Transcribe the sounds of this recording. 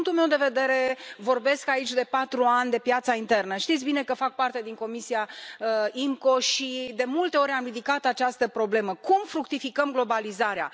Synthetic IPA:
ŋkt̪ulmewd̪e̞ve̞d̪e̞ɾe̞vo̞rbe̞skait͡ʃʲd̪e̞pat̪ɾuanʲd̪e̞pjat̪saint̪e̞rnəʃt̪it̪sʲbine̞kəfak̚part̪e̞d̪iŋko̞misiaəimko̞ʃid̪e̞mult̪e̞o̞ɾʲamrid̪ikat̪at͡ʃast̪əpɾo̞ble̞məkumfɾukt̪ifikəmɡlo̞balizaɾea̰

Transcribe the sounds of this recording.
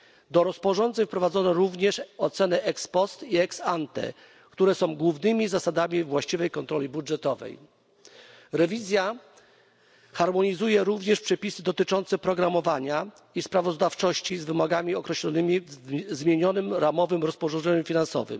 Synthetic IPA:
d̪ɔɾɔspɔʐɔnd̪zɛɲfpɾɔvad̪zɔnɔɾuvɲɛʂɔt̪sɛnɛʔɛkspɔst̪iɛksant̪ɛ̰ | kt̪uɾɛsɔ̃w̃ɡwuvnɘmʲizasad̪amʲivwaɕt͡ɕivɛjkɔnt̪ɾɔlʲibudʐɛt̪ɔvɛ̰j | ɾɛvʲizʲja | xaɾmɔɲizujɛɾuvɲɛʂpʂɛpʲisɘd̪ɔt̪ɘt͡ʂɔnt̪sɛpɾɔɡɾamɔvaɲa | ispɾavɔzd̪aft͡ʂɔɕt͡ɕizvɘmɔɡamʲiɔkɾɛɕlɔnɘmʲizmʲjeɲɔnɘmɾamɔvɘmɾɔspɔʐɔ̃ndzɛɲumfʲinansɔ̰vɘ̰m

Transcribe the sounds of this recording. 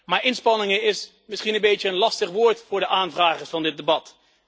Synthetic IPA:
maːɹʔɪnspɑnɪŋəɪs | mɪsχinənbejtəːnlɑstəχʋʊːɹtfʊːɹdəʔaːnvraːχəɹsfɑndɪt̚dəbɑt

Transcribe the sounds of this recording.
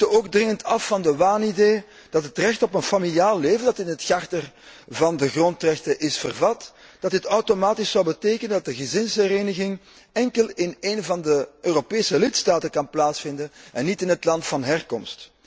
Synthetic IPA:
əoːɡdrɪŋəntʰɑfːɑndəʋaːnideː | d̥ɑtɦətrɛxtɔpənfamilijaːlˠːeːvəndɑtɪnɦətxartər | vɑndəɣrɔntrɛxtəʔɪsfərvɑtd̥ɑtətɔwtomaːtisɔwbəteːkənəndɑt̚dəɣəzɪnshəɾeːnəɣɪŋ | ɛŋkəlˠɪneːnvɑndəøːropeːsəlɪtstaːtəkɑnplaːtsfɪndənɛnːitɪnɦətlɑntfɑnɦɛrkɔmst

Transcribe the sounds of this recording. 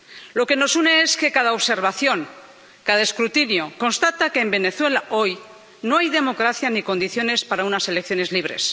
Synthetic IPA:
lo̞ke̞no̞sune̞e̞ske̞kaðaoβse̞ɾβaθjo̞ŋ | kaðaeskɾut̪injo̞ko̞nst̪at̪ake̞ːmbe̞ne̞θwe̞laʔo̞j | no̞ajðe̞mo̞kɾaθjaniko̞nd̪iθjo̞ne̞spaɾaunase̞lekθjone̞zliβ̞ɾe̞̰s

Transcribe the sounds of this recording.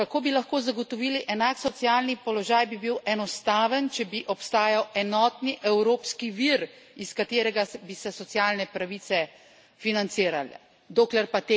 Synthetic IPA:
kakoːbilaxkoːzaɡɔt̪ɔʋiːliʔɛnaksɔt̪sjaːlnipɔlɔʒaːjbibiwʔɛnɔst̪aːʋənt͡ʃɛbiʔɔpst̪aːjawɛnɔːt̪niʔɛwɾoːpskiʋiɾiskat̪eːɾɛɡabisɛsɔt̪sjaːlnɛpɾaʋit̪ɛ | finant̪siːɾalɛ̰ | d̪oːklɛɾpat̪e

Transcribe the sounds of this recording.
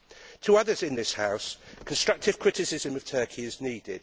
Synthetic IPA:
tʰəʌðəzɪ̃nðɪshaʊskʰə̃nstɹ̥ʌk̚tʰɪv̥kʰɹ̥ɪtɪsɪzə̃məv̥tʰɜˑkʰiɪzniːdɪ̰d̥

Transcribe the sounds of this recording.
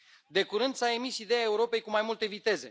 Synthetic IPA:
d̪e̞kuɾɨnd̪sae̞misid̪e̞jae̞uɾo̞pe̞jkumajmult̪e̞vit̪e̞ze̞̰

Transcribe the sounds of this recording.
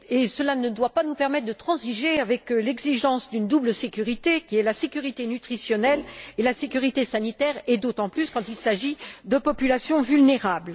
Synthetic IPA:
esəlanəd̪wapanupɛʁmɛt̪χd̪ət̪χɑ̃ziʒeavɛklɛɡziʒɑ̃sd̪ynd̪ubləsekʲyʁit̪ekʲiɛlasekʲyʁit̪enyt̪χisjɔnɛlelasekʲyʁit̪esanit̪ɛʁed̪ot̪ɑ̃plyskɑ̃t̪ilsaʒid̪əpɔpylasjɔ̃vylneʁabl

